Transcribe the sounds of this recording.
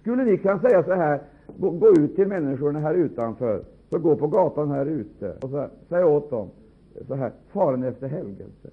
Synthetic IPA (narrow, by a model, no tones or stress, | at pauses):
skɵlːənɪkʰɵns̬ɛjːasɔɦæːɾ | ɡoːɡoːʉ̟ːt̪ʰːɪlmɛnːɪʂʊɳaɦæːɾʉ̟ːt̪anfœːɾ | sɔɡoːpʰɔɡɑːt̪anhæːɾʉ̟ːt̪ə̰ɔs̬ɔsɛjːaoːt̪̚d̪ɔm | sɔɦæ̰ːɾfɑːɾənɛft̪əɾɦɛlɡə̰lsə̰